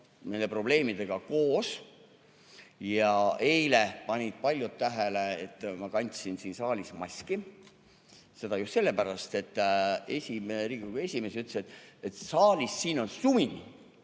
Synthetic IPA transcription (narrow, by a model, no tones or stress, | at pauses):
mejle̞pro̞b̥le̞ːmid̪̥e̞ɡ̥ɑko̞ːs | jɑe̞jlepɑnʲid̪̥̚pɑlʲjut̪ːæɦeleet̪ːˑmɑkɑnʲt̪sinsiːnsɑːlʲismɑsʲki | se̞d̪ɑjusse̞lːe̞pæɾɑst̪e̞t̪ːˑe̞sʲimeɾiːkuɡ̥ɑe̞sʲime̞syt̪lːe̥set̪ːˑet̪sɑːlʲisːiːno̞nsuminʲ